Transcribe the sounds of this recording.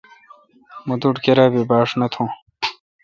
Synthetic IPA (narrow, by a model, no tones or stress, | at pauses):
mud̪uʈkeɾaːbibaːʂnɐt̪ʰõː